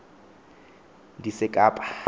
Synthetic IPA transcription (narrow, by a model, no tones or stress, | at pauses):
disɪkʼaːpʼḁ